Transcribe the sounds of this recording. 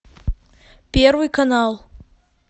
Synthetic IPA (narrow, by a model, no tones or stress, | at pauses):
pʲe̞rvɨjkanalˠ